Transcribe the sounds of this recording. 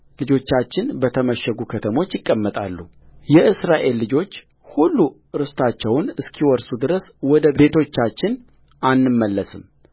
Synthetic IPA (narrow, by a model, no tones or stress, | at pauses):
lɨd͡ʒo̞t͡ʃːat͡ʃːɪnbət̪ʰəməʃːəɡukʰət̪ʰəmo̞t͡ʃːjɪkʼːəmːət̪ʼa̰lːu | jɛʔɨsɾaʔe̞lːɨd͡ʒo̞t͡ʃː | hulːu | ɾɨst̪ʰat͡ʃːɛwnɨskʰiwɔɾsud̪ɨɾəswɔd̪əe̞t̪ʰo̞t͡ʃːat͡ʃːɪn | ʔanːɨmːəlːəsɨm